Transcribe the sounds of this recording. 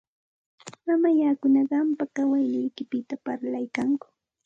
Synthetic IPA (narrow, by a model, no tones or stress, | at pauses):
mamajakʊnɑɢɑmpakawajnɪjkɪpɪt̪apaɾlajkaŋkʊ̥